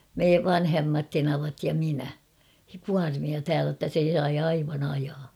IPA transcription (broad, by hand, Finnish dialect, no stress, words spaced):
me ʋɑnhemːɑt tenɑʋɑt jɑ minæ kuɑrmiɑ tæːlæ tːæ se sɑi ɑiʋɑn ɑjɑː